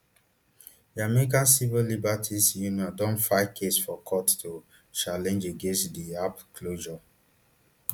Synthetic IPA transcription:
jamɛikãnsivilibatʰisjunɔ̃ndɔ̃nfaɪkʰesfɔkʰɔttu | t͡ʃalɛ̃nd͡ʒeɡẽnstdiapkʰloʒɔ

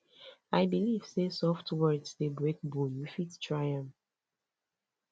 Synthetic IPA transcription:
aɪbiliv̥sesɔftwɜdsdebɹek̚bɔljufittʰɹaɪjãm

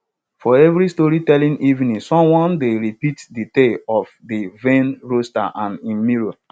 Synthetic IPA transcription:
fɔɛvɾistɔɹitɛlĩŋʔivnĩsɔ̃mwɔ̃ndeɹipitditeɔfdivẽnɹosta̰ʔãnĩnmiɹo

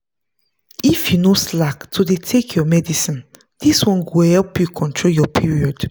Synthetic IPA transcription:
ifjunoslaktʰudetʰekʰjɔmɛdisĩn | diswɔ̃nɡohɛlpjukʰɔ̃ntʰɹoljɔpʰiɹiɔd̥

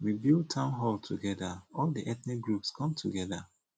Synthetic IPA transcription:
wibilˠd̚tʰãʊ̃nɦɔlˠtʰuɡɛdaɔlˠdiʔɛθnik̚ɡɹupskʰɔ̃mtʰuɡɛða

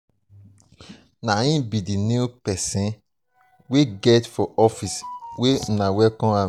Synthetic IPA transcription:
naĩbidinupɛsĩn | weɡɛtfɔʔɔfiswenawɛkɔ̃a

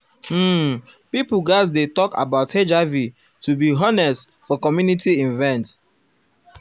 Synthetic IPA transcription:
pipuɡazdetɔka̰baʊthed͡ʒavi | tubiɦɔnɛst | fɔkɔmjunitʰiĩnvɛ̃nt

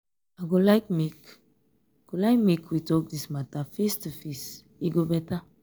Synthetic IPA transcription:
aɡolaɪk̚mik | ɡ̥olaɪk̚mikwitɔk̚dismatafistufis | iɡobɛta

